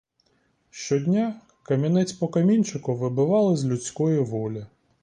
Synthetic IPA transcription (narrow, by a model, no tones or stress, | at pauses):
ʃt͡ʃɔdʲnʲa | kɐmʲinɛt͡sʲpɔkɐmʲinʲt͡ʃɪkʊʋɪbʊʋɑlˠɪzʲlʲut͡sʲkɔjiʋɔlʲɪ